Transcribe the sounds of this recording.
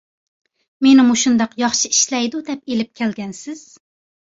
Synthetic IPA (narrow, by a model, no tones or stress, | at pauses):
menɪmuʃund̪ɑqjɑχʃiiʃlɛjd̪ud̪ɛpelɪp̚kʲʰɛlɡʲɛnsɪz̥